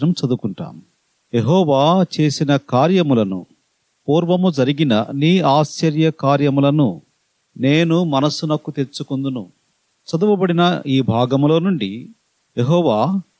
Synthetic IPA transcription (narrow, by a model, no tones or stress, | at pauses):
nɐmt͡ʃɐd̪ukuɳʈa̰ːm | jeɦɔːʋaːt͡ʃe̞ːsinɐkaːɾjɐmulɐnṵ | puːɾʋɐmud͡ʒɐɾiɡinɐ̰niːaːst͡ʃɐɾjɐkaːɾjɐmulɐnu | ne̞ːnumɐnɐsunɐkːut̪e̞t͡ʃukund̪unu | t͡ʃɐd̪uʋɐbɐɽinɐiːbʱaːɡɐmlo̞ːnuɳɖi | jeɦɔːʋaː